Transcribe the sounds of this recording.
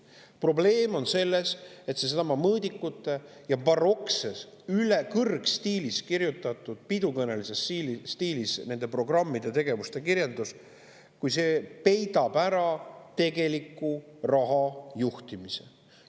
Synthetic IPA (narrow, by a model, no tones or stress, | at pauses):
pro̞ble̞ːmo̞nse̞lːe̞se̞t̪se̞s̬ɑmɑmɤːd̪ikːˑut̪ːˑe̞ | jɑpɑro̞kse̞s | ylekɤrɡst̪iːliskirjut̪ˑːɑt̪ˑːud̪̥pid̪ukɤne̞lise̞silsːt̪iːlisne̞nd̪epro̞ɡ̥rɑmːid̪̥e̞t̪e̞ɡe̞vust̪e̞kiɾjeld̪us | kujse̞pe̞jd̪ɑb̥æɾɑt̪e̞ɡe̞likːˑurɑɦɑjuht̪imise̞̥̰